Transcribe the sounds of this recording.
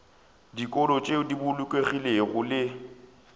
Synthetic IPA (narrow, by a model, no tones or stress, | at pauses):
dikʼɔlɔt͡ʃʼeʊdibʊlʊkʼweɣileɣʊlɪ